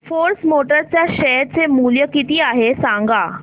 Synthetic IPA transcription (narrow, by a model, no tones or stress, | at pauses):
foɾsmoʈəɾt͡sjaɕɛjɾt͡semuljəkit̪iːaɦesãŋɡa